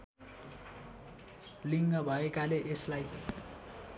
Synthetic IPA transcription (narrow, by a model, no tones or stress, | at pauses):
liŋɡʌbʱʌekaleʔeslaj